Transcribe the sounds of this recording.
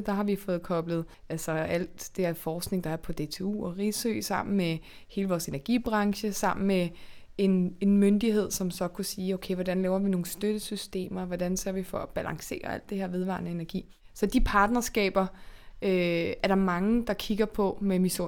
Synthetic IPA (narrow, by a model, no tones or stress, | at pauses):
d̥ɑ̈ɦɑ̈ʋifɔ̽ːð̩ˠkʰɒ̽b̥ləð̞̩ˠ | ælsɒæl̰d̥d̥e̝ɐfɒːsɡ̥ne̝ŋd̥ɑ̈æɐpʰɒ̽d̥e̝t͡sʰe̝ṵːɒʁisø̰ːsɑ̈m̰n̩me | he̝ːləʋɒːse̝næɐɡ̥ib̥ʁɑ̈ŋɕəsɑ̈m̰n̩me | e̝ne̝nmønd̥iɦe̝ð̞̰ˠsɒ̽msɒ̽kʰusiːoʊkʰeɪʋɒd̥ænlɛːʊɐʋino̝ːn̩sd̥øɾ̥əsysd̥e̝̰ːmɐʋɒdænseɐ̰ʋifɒ̽æb̥ælɑ̈ŋse̝̰ːɐæ̰l̰d̥e̝heɐ̰ʋe̝ð̞ˠʋɑ̈ːnəe̝næɐɡ̥ḭː | sɒ̽d̥ipʰɑ̈ːd̥nɐsɡ̥ɛ̰ːb̥ɐʔøæɐɾ̥ɑ̈mɑ̈ŋəd̥ɑ̈kʰiɡ̥ɐpʰɒ̽memiso̝̰